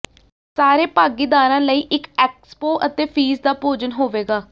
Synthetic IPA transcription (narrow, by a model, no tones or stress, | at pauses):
saːɾeːpaːɡiːd̪aːɾãːləiːʔɪkɛːkspoːʔət̪eːpʰiːzd̪aːpoːd͡ʒənɦoːʋeːɡaː